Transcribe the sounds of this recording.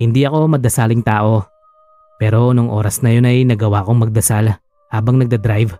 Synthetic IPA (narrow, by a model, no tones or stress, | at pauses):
hɪnd̪iʔɐko̞mɐd̪ɐsalɪŋt̪aːʔo̞ | pɛːɾo̞nʊŋʔo̞̰ːɾɐsnɐjo̞nɐjnɐɡɐwaːʔko̞ŋmɐɡ̚d̪ɐsal | haːbɐŋnɐɡ̚d̪ɐd̪ɾajv